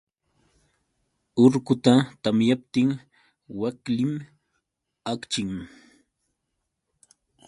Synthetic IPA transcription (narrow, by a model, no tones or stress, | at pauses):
ʊɾkʊt̪at̪amjap̚t̪ɪŋ | waklɪm | akt͡ʃɪŋ